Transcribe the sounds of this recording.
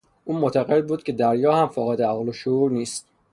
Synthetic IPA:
ʔuːmot̪ʰæɣe̞d̪̚buːd̪̥̚cʰe̞d̪æɾjɒːhæmfɒːɣed̪eæɣloʃouːɾniːst̪

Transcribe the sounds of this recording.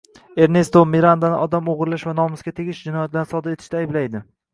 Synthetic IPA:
e̞ɾne̞st̪omiɾand̪anɪʔɒd̪amoʁɾɪlaʃvanɒmɪsɡʲat̪ʰeɡʲɪʃd͡ʒɪnɒjat̪laɾnɪsɒd̪aɾe̞t̪ʰɪ̥ʃt̪aajɪblajd̪ɪ

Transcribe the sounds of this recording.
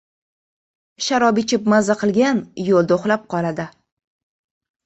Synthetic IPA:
ʃaɾɒbɪt͡ʃʰɪp̚mazaqʰɨlˠɡʲanjolˠd̪oχlap̚qʰɒlad̪ɪ

